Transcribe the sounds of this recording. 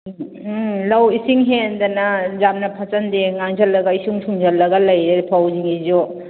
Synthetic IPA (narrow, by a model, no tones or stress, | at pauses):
lɐwisiŋɦend̪ɐnɐzamnɐpʰɐt͡ʃɐndeŋaŋzɐlːɐɡɐisuŋsuŋzɐlːɐɡɐlɐjɾepʰawziŋizo